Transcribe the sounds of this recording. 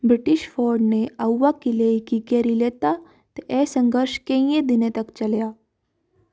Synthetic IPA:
bɾiʈiɕfɔɾɖneəwːakilekikeɾilet̪a | t̪eʔesəŋɡəɾɕkẽĩjẽd̪inet̪əkt͡ɕəlja

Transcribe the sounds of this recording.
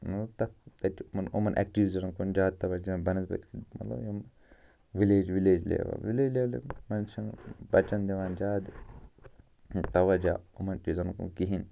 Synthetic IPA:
nɐt̪ɐkt̪ɐt͡ʃmɐnumɐnʔɛ̰k̚ʈiʋizɐnkund͡ʒaːd̪̚t̪ɐʋɐd͡ʒɐbɐnɐzbɐ̰t̪kimɐt̪lɐ̰bjum | ʋileːd͡ʒʋileːd͡ʒlḛːʋɐ̰ʋileːd͡ʒleːlimɐnʃɐnbɐt͡ʃɐnd̪ʲeʋaːnd͡ʒaːd̪ | t̪ɐʋɐd͡ʒaːumɐnʈizɐnkṵnkiɦin

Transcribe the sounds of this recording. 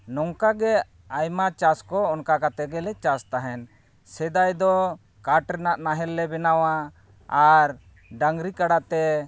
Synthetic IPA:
nɔŋkaɡɛ | ajmat͡ʃaskɔɔnkakat̪ɛɡɛlɛt͡ʃast̪aɦɛn | sɛd̪ajd̪ɔ | kaʈɾɛnaʔnaɦɛlːɛbɛnawa | aɾ | ɖaŋɡɾikaɽat̪ɛ

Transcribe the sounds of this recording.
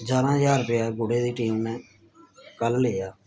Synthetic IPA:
d͡ʒaːnãːjaːɾpɪaːɡʊɽeːd̪iːʈiːmnɛ̃ː | kəlleːjaː

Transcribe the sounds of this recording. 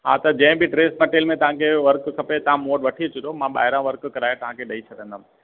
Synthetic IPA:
ɦa̰ːt̪ɐd͡ʑɐ̃ːbʱiʈɾeːsmɐʈeːlmẽt̪ɐʋ̤ãkʰeʋɐɾkkʰɐpet̪ɐɦãmoːɖʋɐʈʰiet͡ɕʰʊd̪omãɓa̰ːɦɪɾãʋəɾkːkɐɾaːjet̪ɐɦãkʰeɗɐit͡ʃʰɐd̪ə̃nd̪am

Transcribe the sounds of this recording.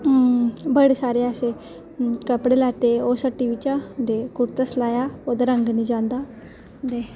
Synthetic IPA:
bəɽsaɾease | kəpɽelat̪eosəʈiʋit͡ɕad̪ekuɾt̪əslajaod̪ɾəŋɡnid͡ʑãnd̪a | d̪e

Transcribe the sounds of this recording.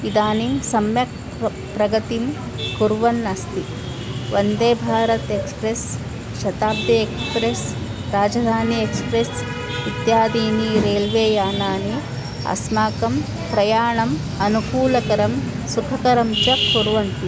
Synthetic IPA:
id̪aːnimsɐmjɐk̚ | pɾɐɡɐt̪im | kuɾʋɐnːɐst̪i | ʋɐnd̪eːbʱaːɾɐt̪ekspɾes | ʃɐt̪aːb̚d̪jɐekspɾes | ɾaːd͡ʒɐd̪ʱaːniekspɾes | it̪jaːd̪iːniɾeːlʋeːjaːnaːni | ɐ̰smaːkɐm | pɾɐjaːɳɐm | ɐnukuːlɐkɐɾɐm | sukʰɐkɐɾɐmt͡ʃɐkuɾʋɐnt̪i

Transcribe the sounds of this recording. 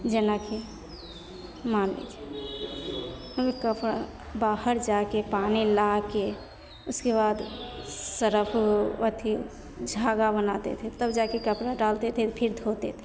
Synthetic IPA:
d͡ʒenakʰe | manlḭt͡ʃʰi̥ | həmikəpɾa | bahəɾd͡ʒakepanilake | ʊskebad̪səɾəpʰət̪ʰi | d͡ʒʱaɡabənat̪ḛt̪ʰit̪əbd͡ʒakekəpɾaɖalt̪et̪ʰet̪pʰiɾd̪ʱot̪ḛt̪ʰ

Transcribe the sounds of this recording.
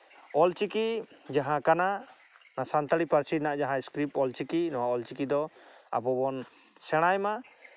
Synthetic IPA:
ɔlt͡ʃikid͡ʒaɦãkana | nasant̪aɽipaɾt͡ʃinaʔd͡ʒaɦãiskɾip̚ɔlt͡ʃikinɔwaɔlt͡ʃikid̪ɔa̰bɔbɔn | sɛɽ̃ajma

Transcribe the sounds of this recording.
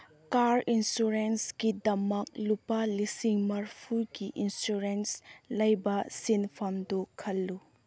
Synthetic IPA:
kaɾinsuɾensɡidɐmɐk̚lupalisiŋmɐɾpʰuɡiʔinsuɾenslɐjbɐsinpʰɐmdukʰɐlːu

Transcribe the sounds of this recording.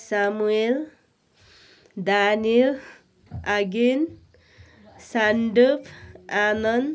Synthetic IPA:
samuel | d̪anil | aɡin | saɳɖupʰanʌn

